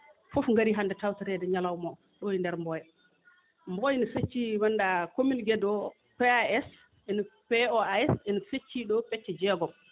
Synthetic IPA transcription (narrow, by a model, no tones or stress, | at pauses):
fofŋɡaɾiɦandɛtawtaɾɛdɛɲalawmɔ | ɗojindɛɾmbɔjɛ | mbɔjniset͡ʃːiwandakominɡɛdɔ | pɛɛs | ʔɛnpɛɔaɛsɛnset͡ʃːiɗɔpɛt͡ʃːɛd͡ʒɛɡɔm